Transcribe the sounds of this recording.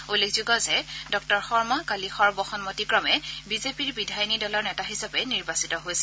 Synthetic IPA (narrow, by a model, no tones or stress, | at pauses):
olːekʰzuɡɔzɛdɔk̚tɔɹxɔɹmakalixɔɹbɔxɔnmotikɹɔmɛbizepiɹbidʱajɔnidɔlɔɹnɛtaɦisabɛniɹbasitɔɦojsɛ̥